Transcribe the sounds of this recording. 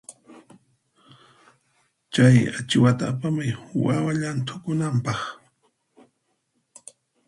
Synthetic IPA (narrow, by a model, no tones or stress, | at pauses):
t͡ʃaja̰t͡ʃɪwat̪aːpamajwawaʎant̪ʰʊkʊnampɑχ